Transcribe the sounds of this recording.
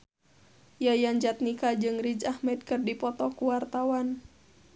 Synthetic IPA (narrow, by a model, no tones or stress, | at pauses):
jajaɲd͡ʒat̪̚nikad͡ʒɨŋrid͡ʒahmɛd̪̚kɨrdipɔt̪ɔkuwart̪awan